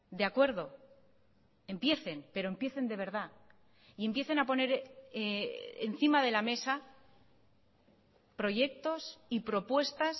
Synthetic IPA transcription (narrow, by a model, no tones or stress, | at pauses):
d̪eakwe̞ɾðo̞ | e̞mpje̞θe̞npe̞ɾo̞empje̞θe̞nd̪e̞β̞e̞ɾða | ie̞mpje̞θenapo̞ne̞ɾ | ḛn̟θimaðe̞lame̞sa | pɾo̞ʝe̞k̚t̪o̞sipɾo̞pwe̞st̪as